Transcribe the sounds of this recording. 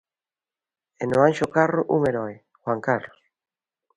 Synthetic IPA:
enoanʃokaroʔuŋeɾɔe | xwaŋkarlos

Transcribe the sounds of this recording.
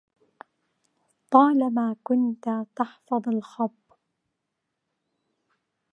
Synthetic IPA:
t̪ˤɑːlamaːkʊnt̪at̪ɑħfɑðˤɑlxɑbː

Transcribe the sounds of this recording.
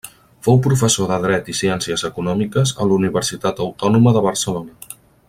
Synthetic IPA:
fowpɾufəsoðəðɾɛt̪isiɛnsiəzəkunɔmikəzə̰luniβərsit̪at̪əwt̪ɔnuməðəβ̞ərsəlonə

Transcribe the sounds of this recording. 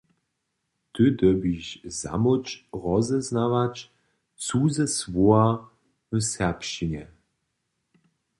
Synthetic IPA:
t̪əd̪əbiʃza̰mʊt͡ʃʁɔzɛznavat͡ʃ | t͡suzɛsvoa | vəsɛʁpʃinɛ

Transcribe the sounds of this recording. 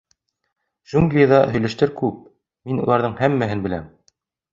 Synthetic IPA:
ʒ̥uŋɡlʲijðɑɦɵ̆jlæ̆ʃt̪ɘɾkʉp̚ | minṵlˠɑɾðɤɴhæmːæɦɘnbɘ̆læ̰m

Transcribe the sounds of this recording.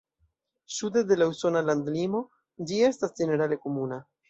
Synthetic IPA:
sud̪ed̪e̞lauso̞naland̪limo̞ | d͡ʒie̞stasd͡ʒe̞ne̞ɾale̞komuna

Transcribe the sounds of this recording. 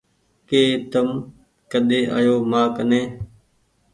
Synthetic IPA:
keːt̪əm | kəɗ̪eːʔa̰ːjoːmãːkəneː

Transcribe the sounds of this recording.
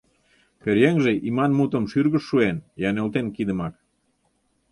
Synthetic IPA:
peɾjeŋʒeʔimɑnmut̪ə̆mʃyrɣəʃːuenjɑnølt̪enkid̪əmɑk

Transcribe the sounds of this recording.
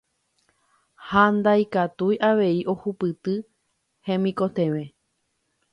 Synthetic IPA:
hand̪ajkat̪ujʔaʋe̞iʔo̞hupɨt̪ɨ | hẽ̞mĩko̞t̪ẽ̞ʋe̞

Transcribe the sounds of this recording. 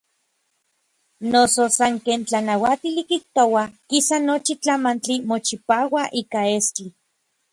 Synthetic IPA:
nososaŋkeːnt͡ɬanawat̪ilikiht̪owakisanot͡ʃit͡ɬamant͡ɬimot͡ʃipaːwaʔiːkaest͡ɬi

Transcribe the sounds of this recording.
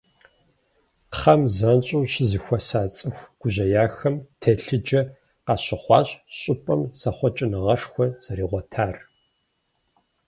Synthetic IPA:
χɐmzɐnt͡ʃʼuːɕɪzɨxʷɔsaːt͡sʼɨxʷɡ̥ʷʊʑɐjaːxɐmtʰɐɬɨd͡ʒɐ | qɑːɕɪχʷɑːɕʼɕʼɪpʼɐmsɐχʷɔt͡ʃʼɪnɨʁɐʂxʷɔz̥ɐɾiːʁʷɔtʰaːr

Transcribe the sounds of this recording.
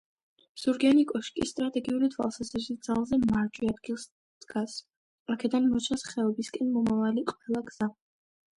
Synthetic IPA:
z̥uɾɡianikʼɔʃkʼist̪ʼɾat̪ʼɛɡiulit̪ʰwa̰lˠsazɾisid̪zalˠzɛmaɾd͡ʒʼwiad̪̚ɡilˠs | d̪̥ɡas | akʰɛd̪anmɔt͡ʃʰasχɛɔbiskʼɛnmɔmavaliqʼwɛlˠaɡz̥a

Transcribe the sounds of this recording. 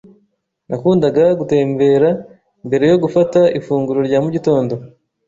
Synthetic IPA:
nʔakuːndaɡaɡute̞ːmbe̞ɾa | imbe̞ɾe̞jo̞ɡufataʔifuːŋɡuɾoɾɟaːmuɟito̞ːndo̞

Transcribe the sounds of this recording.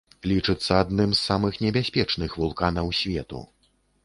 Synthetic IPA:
lʲit͡ʂɨt̪sːɐad̪nɨmsːamɨxnʲɛbʲasʲpʲɛt͡ʂnɨxvulˠkanɐwsʲvʲɛ̰t̪ṵ

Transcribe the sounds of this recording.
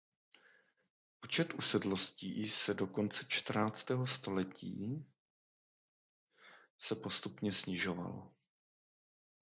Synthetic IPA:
pot͡ʃɛt̪ʔusɛdlo̞sciːsɛdo̞ko̞nt͡sɛt͡ʃt̪r̩naːt͡st̪ɛːɦo̞st̪o̞lɛcḭː | sɛpo̞st̪upɲɛsɲɪʒo̞va̰lo̰

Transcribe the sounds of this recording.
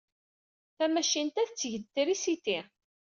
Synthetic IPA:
θæmæʃint̪æθət͡sːʝət̪ːəɾisit̪i

